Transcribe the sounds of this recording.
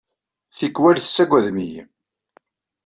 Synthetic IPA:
θikːwælθə̥sːæɡʷæðmij

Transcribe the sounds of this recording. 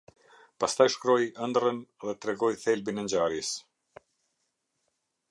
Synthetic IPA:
past̪ajʃkɾɔjənd̪rənðɛt̪ɾɛɡɔjθɛlbinɛɲd͡ʑaɾjɛs

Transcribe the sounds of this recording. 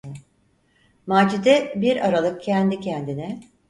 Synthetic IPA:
maːd͡ʒid̪ɛbiɾaɾalˠɯk̚cʰɛnd̪icʰɛnd̪inɛ

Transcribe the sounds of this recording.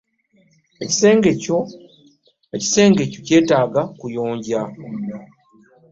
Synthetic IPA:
eci̥seːŋɡeco | eci̥se̞ːŋɡe̞coce̞ːtaːɡakujoːɲɟa

